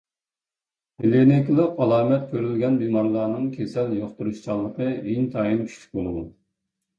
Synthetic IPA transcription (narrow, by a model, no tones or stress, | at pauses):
helenɪkʲlˠəqɑlˠɑːmɛt̪̚kʲʰøɾylɡʲɛnbimɑɾlˠɑːnɨŋkʲʰesɛljoχt̪uɾuʃt͡ʃʰɑlˠːəqəiŋt̪ʰɑːjinkʲʰy̥ʃʰy̥k̚ʲbolˠdun